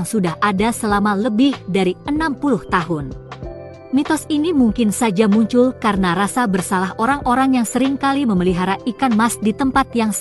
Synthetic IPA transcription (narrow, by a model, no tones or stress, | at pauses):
ŋsudahʔadasəlamaləbɪhdaɾiənampulʊht̪aɦʊn | mit̪ɔsinimuŋkɪnsad͡ʒamuɲt͡ʃʊlkaɾənaɾasabərsalahʔoɾaŋʔoɾaŋjaŋsəɾɪŋkaliməməliɦaɾaʔikanmasdit̪əmpat̪jaŋs